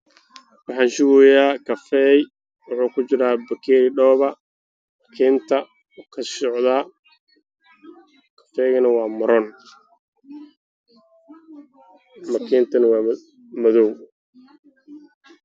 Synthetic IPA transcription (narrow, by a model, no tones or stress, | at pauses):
wɑħɑːnʃʊɣɔjaːkʰɐfɛːj | wɑħuːkʰʊt͡ʃɪɾaːbɐkʰɛːɾɪɖɔːβɐ | mɐkʰɛːnt̪ʰɐ | kʰɐsɔʕðaː | kʰɐ̥fɛːɣɐnɐwɑːmɐɾɔːn | mɐkʰɛːnt̪ʰɐnɐwɑː | mɐðɔw